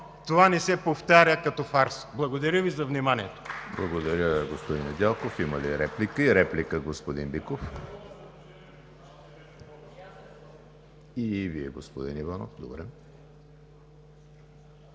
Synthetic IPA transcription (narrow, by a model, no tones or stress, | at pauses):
t̪ovanɛsɛpoft̪aɾʲəkɐt̪ɔfaɾsblˠɐɡod̪ɐɾʲəvizɐvnimaniɛt̪o̥blˠɐɡod̪ɐɾʲəɡospod̪inɛd̪ʲalˠkofiməliɾɛplikəiɾɛplikəɡospod̪inbikof | iviɛɡospod̪inivano̰fd̪obɾɛ